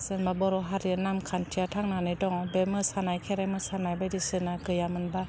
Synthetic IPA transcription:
sɯnbabɔɾoɦaɾiənamkʰantʰiat̪ʰaŋnanajdɔŋɔbɛmɯsanajkʰɛɾajmɯsanajbajdisɯnakɯjamɯnba

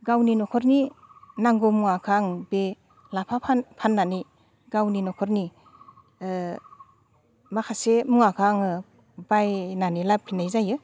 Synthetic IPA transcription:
ɡawninɔkʰɔɾninaŋɡɔmuŋakʰaŋbe | lapʰapʰanpʰanːanij | ɡawninɔkʰɔɾni | makʰasemuŋakʰaŋɯ | bajnanilapʰinajzajɯ

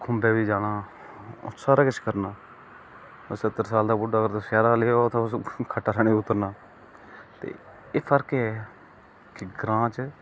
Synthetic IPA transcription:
kʰʊ̃mbeːʋiːd͡ʒaːɽaː | ʊ̰saːɾaːkɪt͡ʃkəɾnaː | sət̪ːəɾsaːld̪aːbʊɖaːɡəɾt̪oːsjaːɾaːleːot̪õskʰəʈːaːɾʰəɽeːʊt̪ːəɾnaː | t̪ḛː | eːpʰəɾkɛ | kɪɡɾãːt͡ʃ

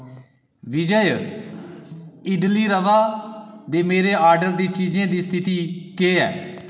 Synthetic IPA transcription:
ʋɪd͡ʒəj | ɪɖliːɾəʋaːd̪eːmeːɾeːʔaːɾɖəɾd̪iːt͡ʃiːd͡ʒẽːd̪iːst̪ʰɪt̪iːkeːɛ̰ː

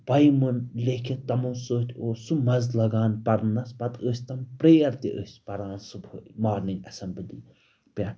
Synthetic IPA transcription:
pɐjmɨnlʲekʰit̪ɐmuːsoːt̪ʰʲoːsumɐzlɐɡaːnpɐɾnɐspɐt̪əːsʲt̪ɐmpɾeːɐɾt̪ʲiʔə̰ːsʲpɐɾaːnsubɨmaːɾniŋɡɐsɐmbilḭ | pʲa

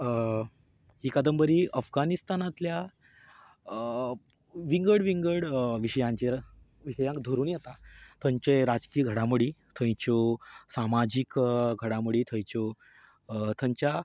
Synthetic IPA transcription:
ɦiːkəd̪əmbəɾiʔəfɡanist̪anat̪lja | ʋiŋɡəɽʋiŋɡəɽʋiɕəjãɲt͡ɕe | ʋiɕəjãŋkd̪ʱoɾuːnjet̪at̪ʰə̃ɲt͡ɕeɾad͡zkijəɡʱəɽãmuɽit̪ʰə̃jt͡ɕosamad͡ʑikɡʱəɽamuɽiːt̪ʰəjt͡ɕo | t̪ʰəɲt͡ɕja

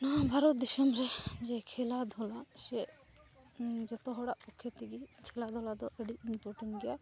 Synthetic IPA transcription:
naabʱaɾɔt̪̚d̪isɔmɾɛd͡ʒɛkʰɛlad̪ʱɔlasɛ | d͡ʒɔt̪ɔɦɔɽaʔpɔkʰːjɔt̪iɡikʰɛlad̪ʱɔlad̪ɔʔəɖiinpɔɾʈɛɳɡɛja

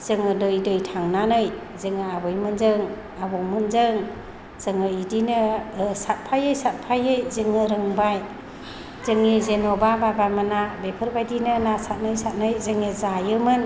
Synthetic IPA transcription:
z̥ɯŋɯdɯjdɯjtʰaŋnanɯj | zɯŋɯabɯjmɯnzɯŋ | abɔŋmɯnzɯŋ | z̥ɯŋɯidinɯsat̚pʰajɯjsat̚pʰajɯjzɯŋɯɾɯŋbaj | zɯŋːizenɔbababamanabepʰɯɾbajdinɯnasat̚nɯjsat̚nɯjzɯŋizajɯmɯn

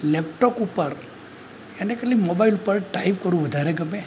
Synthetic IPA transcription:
lep̚ʈokupəɾ | anekətlimobailupəɾʈaiʋkəɾũʋəd̪ʱaɾeɡəme

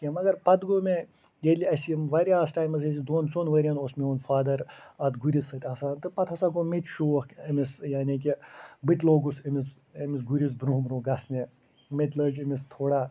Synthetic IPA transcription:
kʲimɐɡɐɾpɐt̪ɡoːmẽ | jeliɐsimʋɐɾʲiaːsʈaːjmɐzesid̪oːnsoːnʋəɾʲɐnosmionfaːd̪ɐɾɐt̪ɡuɾisɐt̪ʲɐsaːnt̪ɨpɐt̪ʰɐsaɡomet̪ʰʃuːɐxkɐmisjaːnik̬ibɨt̪ʲloːɡusɐmis | ɐmisɡuɾʲis̬bɾuːmɾoːɡɐsne | met̪ʲləːd͡ʒɐmist̪ʰoːɽaː

